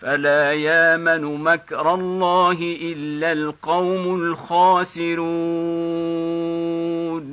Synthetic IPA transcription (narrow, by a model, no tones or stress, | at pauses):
falaːjaːmanʊmakɾˤɑlˤːɑːɦɪʔɪlːalqɑwmʊlxaːsɪɾu | n